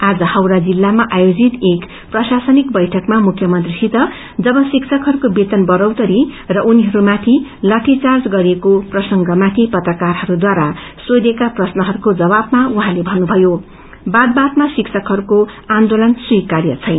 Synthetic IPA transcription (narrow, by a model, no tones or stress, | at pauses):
ad͡zʌhʌwɾad͡zilːamaʔajod͡zit̪ek | prʌsasʌnik̚bʌjʈʰʌkmamukʰjʌmʌnt̪risit̪ʌ | d͡zʌbʌsiksʰʌkɦʌɾukobet̪ʌnbʌɾʌwt̪ʌɾirʌʔuniɦʌɾumat̪ʰilʌʈʰit͡sard͡zɡʌɾekoprʌsʌŋɡʌmat̪ʰipʌt̪rʌkarɦʌɾud̪waɾasod̪ekaprʌsnʌɦʌɾukod͡zʌβabmauɦãlebʱʌnːubʱʌjo | bad̪̚bat̪masiksʌkɦʌɾukoãnd̪olʌnswikarjʌ̰t͡sʰʌjn